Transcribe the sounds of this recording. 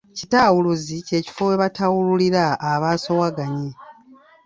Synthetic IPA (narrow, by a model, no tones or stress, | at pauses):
ci̥tawuluzice̞ːci̥foweβatawululiɾaːβaso̞waɡaɲe